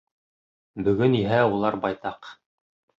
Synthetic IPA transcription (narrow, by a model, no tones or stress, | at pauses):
bɵ̆ɡɵniɦæulˠɑɾbɑjt̪ɑq